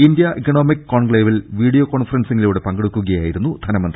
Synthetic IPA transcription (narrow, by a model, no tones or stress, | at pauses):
ind̪jɐʔikɐno̞ːmikkːoːɳɡɭeːʋilʋiːɽijoko̞ːɳfɐrɐnsiŋːɡiluːɽepɐŋɡeɽukːuɣɐjaːjiɾunːud̪ʱɐnɐmɐnd̪ri